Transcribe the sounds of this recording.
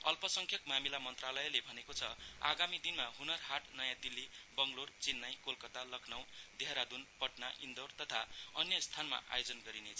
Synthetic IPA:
ʌlpʌsʌŋkʰjʌkmamilamʌnt̪ralʌelebʱʌnekot͡sʰʌa̰ɡamid̪inmaɦunʌrhaʈnʌjãd̪ilːibʌŋɡlort͡sinːajkolkʌt̪alʌkʰnaw̃d̪ʱeaɾad̪unpʌʈnaʔind̪ort̪ʌt̪ʰaʌnjʌst̪ʰanma̰ʔa̰jod͡zʌnɡʌɾinet͡sʰʌ

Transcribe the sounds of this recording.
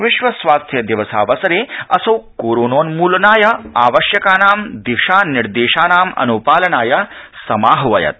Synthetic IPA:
ʋiʃʋɐsʋaːst̪ʰjɐd̪iʋɐsa̰ːʋɐsɐɾeːɐsɐwkoːɾoːnoːnmuːlɐnaːjɐaːʋɐʃjɐkaːnaːmd̪iʂaːniɾd̪eːʃaːnaːmɐ̰nuːpaːlɐnaːjɐsɐmaːɦɐʋɐjɐ̰t̪̚

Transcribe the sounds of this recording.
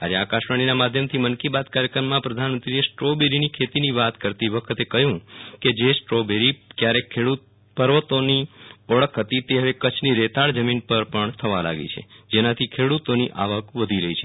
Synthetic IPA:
ad͡ʒeakaʃʋaɽ̃inamad̪ʱjəmt̪ʰimənkibad̪kaɾjəkɾəmːãpɾəd̪ʱanmənt̪ɾiesʈɾobeɾinikʰet̪iniʋat̪kəɾt̪iʋəkʰət̪ekəɦjũked͡ʒesʈɾobeɾikjaɾekʰːeɽut̪̚ | pəɾʋət̪oniəɭəkʰɦət̪it̪eɦəʋekət͡ʃʰniɾet̪aɭd͡ʒəminpəɾpəɳt̪ʰəʋala̰ɡḛt͡ʃʰḛd͡ʒenat̪ʰikʰeɽut̪oniʔaʋəkʋəd̪ʱiɾəɦit͡ʃʰe

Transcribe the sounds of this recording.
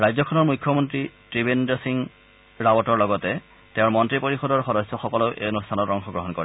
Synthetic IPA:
ɹajzɔkʰɔnɔɹmujkʰːɔmɔntɹitɹibendɔsiŋ | ɹawɔtɔɹlɔɡɔtɛ | teʊ̃ɹmɔntɹipoɹixɔdɔɹxɔdɔsːɔxɔkɔloʔḛonustʰanɔtɔŋxɔɡɹɔɦɔnkɔɹɛ

